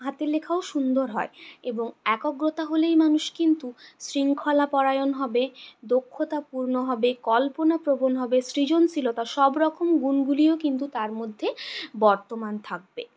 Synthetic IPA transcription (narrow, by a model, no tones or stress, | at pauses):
ɦat̪elekʰaoʃund̪oɾɦɔeeboŋɛkoɡɾot̪aɦolejmanuʃkint̪usɾiŋkʰɔlapɔɾajonɦɔbed̪okʰːot̪apuɾnoɦɔbekɔlponapɾobonɦɔbesɾid͡ʑont͡ɕʰilot̪aɾʃɔbɾɔkomɡunɡuliokint̪ut̪aɾmod̪ʱːebɔɾt̪omant̪ʰak̚be